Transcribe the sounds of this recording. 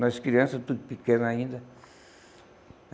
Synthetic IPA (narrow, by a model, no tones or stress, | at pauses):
naskɾiansat̪ukpikenaĩnd̪a